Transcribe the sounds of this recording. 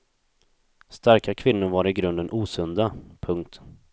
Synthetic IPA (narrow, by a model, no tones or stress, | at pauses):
st̪aɾkakʰvɪnːʊɾvaːɾɪɡɾɵnd̪ənʔuːsɵnd̪apʰɵŋk̚t̪